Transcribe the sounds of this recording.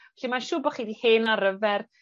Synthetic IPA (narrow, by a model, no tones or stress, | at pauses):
aɬimanʃuːbɔχiːdiheːnaɾəvɛr